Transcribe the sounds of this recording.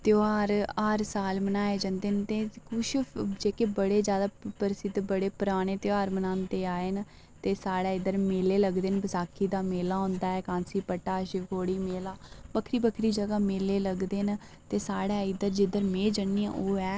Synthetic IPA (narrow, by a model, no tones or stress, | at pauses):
t̪joaːɾaːɾsaːlmənaːeːd͡ʒãːnd̪eːnt̪eːkʊʃd͡ʒeːkebəɽeːd͡ʒjaːd̪aːpəɾsɪd̪bəɽeːpʊɾaːɽ̃eːt̪jaːɾmənãːnt̪eːaːen | t̪eːsaːɽaːɪd̪əɾmeːleːləɡd̪eːnbəsaːkʰːiːd̪aːmeːlaːɦʊ̃nd̪aːɛːkãːnsiːpəʈːaːʃɪʋkoːɽiːmeːlaːbəkʰɾiːbəkʰɾiːd͡ʒəɡaːmeːleːləɡd̪eːn | t̪eːsaːɽaːɪd̪əɾd͡ʒɪd̪əɾmẽːd͡ʒənːiã̰ʔoːɛː